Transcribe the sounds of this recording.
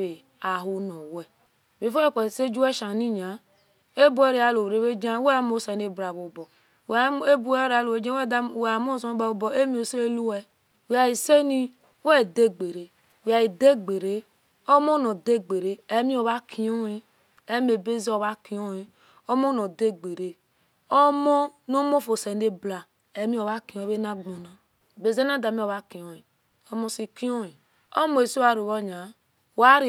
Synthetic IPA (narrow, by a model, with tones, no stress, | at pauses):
e˨ | a˨ɦu˦nɔ˨wɛ˨ | be˨fo˦e˦˨ke˨se˦d͡ʒu˦wɛ˦ʃa˨ni˦ɲa˨ | e˦bu˦ɛ˦ɾe˨˦a˨lo˨ɾe˨˦βe˦d͡ʒa˦we˦a˦m˦o˦sa˨˦ne˦bɾa˨βo˨bɔ˨ | we˦bu˦ɾa˨˦lo˨e˦d͡ʒa˦ɛ˦dwa˨m˦o˦˨so˨˦ba˨o˦bɔ˨e˦mi˦o˨se˦lu˦wɛ˨ | wa˨ji˨se˦ni˦ | wɛ˦˨de˦ɡ͡be˨ɾe˨ | a˨ji˨de˦ɡ͡be˨ɾe˦ | o˦mo˦no˨de˦ɡ͡be˨ɾe˦ɛ˦mĩ˦o˨βa˦kʰi˨˦o˦i˦ | ɛ˦me˨be˦zi˦o˨βa˦ki˨o˦i˨ | o˦mo˦no˨de˦ɡ͡be˨ɾe˨ | o˦mo˦no˦mo˦fo˨se˨ne˦bla˨ | ɛ˨˦mĩ˦o˨βa˦ki˨õ˨˦βe˦na˦ɡ͡bo˨na˨ | be˨ze˦na˦da˨mi˦o˨βa˦ki˨o˨i˨ | o˦mo˦si˨ki˦o˦i˨ | o˦mo˨e˨so˦a˦ɾi˨wo˦ɲa˨˦ | wa˦ɾ